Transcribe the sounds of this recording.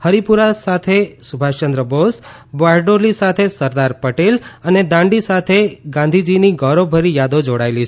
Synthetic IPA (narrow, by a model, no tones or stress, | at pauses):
həɾipuɾasat̪ʰesubʱaʃt͡ʃə̃nd̪ɾəbosbaɾɖolisat̪ʰesəɾd̪aɾpəʈeləned̪ãɳɖisat̪ʰeɡãnd̪ʱid͡ʒiniɡɔɾobʱəɾijad̪od͡ʒoɽaelit͡ʃʰ